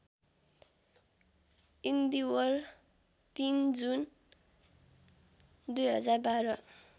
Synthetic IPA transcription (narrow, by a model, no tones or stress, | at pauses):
ind̪iwʌr | t̪ind͡zun | d̪ujɦʌ̰d͡zarbaɾʌ